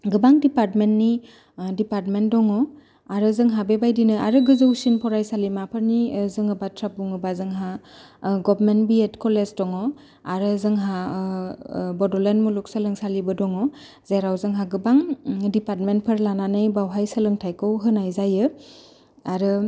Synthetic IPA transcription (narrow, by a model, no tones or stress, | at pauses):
ɡɯbaŋdipaɾtmentni | dipaɾtmentdɔŋɔ | aɾɯzɯŋɦabebajdinɯʔa̰ɾɯɡɯzɯwsinpʰɔɾajsalimapʰəɾnizɯŋɯbatʰɾap̚uŋɯbazɯŋɦa | ɡɔbɾmenbietkɔlezdɔŋɔ | aɾɯzɯŋɦa | bɔdɔlenmuluk̚səlɯŋsalibɯdɔŋɔ | zeɾawzɯŋɦaɡɯbaŋdipaɾt̚mentpʰɯɾlananɯjbawɦajsəlɯŋtʰajkɯwɦɯnajzajɯ | aɾɯ